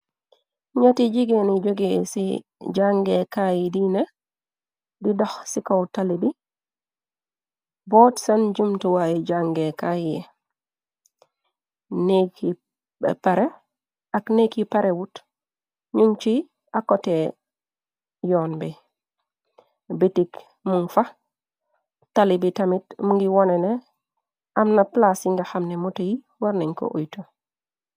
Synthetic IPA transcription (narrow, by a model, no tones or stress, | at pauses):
ɲatiɟiɡenid͡ʒoɡesḭ | d͡ʒaŋɡekajidine | didoxsikawtaledi | bɔtsand͡ʒumtuwajiɟaŋɡekajije | nekḭ | paɾe | aknekipaɾʔewut | ɲuŋt͡ʃi | akote | joːnbe | bitik | muŋfa | talibitamitmuŋɡiwonene | amnaplasiŋɡaxamnemutaji | waɾneŋko̰ʔojto